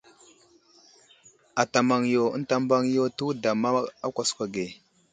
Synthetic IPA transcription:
a˨ta˨ma˨ŋjo˨ə̰˦nta˦mba˦ŋ˦jo˦tu˦da˨ma˦a˦kʷa˨skʷa˨ɡe˨

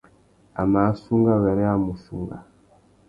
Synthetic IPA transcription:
a˨ma˨˦su˦ŋɡa˦βɛ˨ɾɛ˦a˦mu˨sṵ˨ŋɡa̰˨

